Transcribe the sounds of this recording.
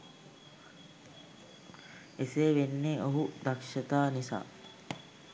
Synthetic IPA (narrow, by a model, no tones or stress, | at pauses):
eseːʋenːeoɦud̪akʃɐt̪aːnisa̰ː